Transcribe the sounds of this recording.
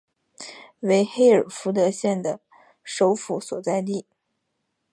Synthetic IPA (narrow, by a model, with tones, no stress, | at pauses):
we˧˥ɪxe˥˩ɪə˞˨˩fu˧˥t̪̬ɤ˧˥ɕjɛ˥˩nd̪ə˩ | ʂo˧˥ʊfu˧˥swɔ̰˨˩t͡sa˥˧ɪli˥˩